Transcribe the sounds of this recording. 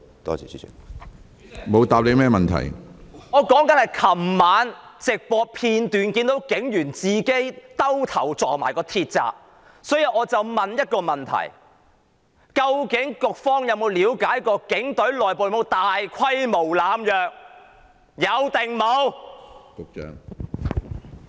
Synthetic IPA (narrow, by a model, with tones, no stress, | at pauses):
t̪ɔ̰ː˥ḭ˨ | mo˨˧wt̪aː˨p̚le˨˧jmɛː˥mɐ˨nt̪ʰɐ̰˨˩jŋɔː˨˧kɔː˨˥ŋkɐ˨˥nhɐ˨˩jkʰɐ˨˩mːaː˨˥nt͡sɪ˨k̚pɔː˧pʰiː˧nt̪yː˨nkiː˧nt̪o˨˥wkɪ˨˥ŋjyː˨˩nt͡siː˨ke˥jt̪ɐ˥wt̪ʰɐ˨˩wt͡sɔː˨˩k̚maː˨˩jkɔː˧t̪ʰiː˧t̚t͡sa̰ː˧p̚ | sɔː˨˥ji˨˧ʔɔː˨˧t͡sɐ˨wmɐ˨njɐ˥t̚kɔː˧mɐ˨˩nt̪ʰɐ̰˨˩j | kɐ˧wkɪ˨˥ŋkʊ˨k̚fɔː˥ŋjɐ˨˧wmo˨˧wliː˨˧wkaː˨˥jkɔː˧kɪ˨˥ŋt̪ɵ˨˥ɥlɔː˨jpo˨jmo˨˧wt̪aː˨jkʷʰɐ˥jmo˨˩wlaː˨˧mjœː˨k̚ | jɐ˨˧wt̪ɪ˨ŋmo˨˧wt̪o˨k̚t͡ʃœ̰ː˧˥ŋ